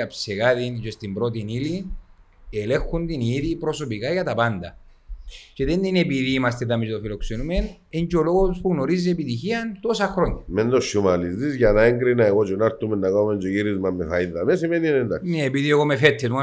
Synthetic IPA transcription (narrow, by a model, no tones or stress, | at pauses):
ɐpseɣaðint͡ʃest̪imbɾo̞t̪̬inili | ele̞xund̪iniðipɾo̞so̞pikaʝɐt̪ɐpand̪ɐ | t͡ʃe̞ðend̪inepiðiːmɐst̪et̪ɐmizt̪ofiloksenumen | eɲd͡ʒolo̞ɣospuɣno̞ɾizːeepit̪içiɐnt̪o̞sɐxɾo̞ɲːɐmend̪oʃːumalizðizʝɐnaeŋɡɾinɐeɣot͡ʃonaɾt̪ːumenːakamend͡ʒoʝiɾizmamːefainðɐmesimeninend̪a̰kneːpiðieɣomefet̪ʰːet̪u